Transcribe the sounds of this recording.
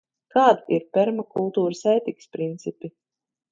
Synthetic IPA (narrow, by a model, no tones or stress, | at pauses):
kaːd̪iiɾpʲɛɾmakulˠt̪uːɾɨsɛjt̪ikspɾint̪sipi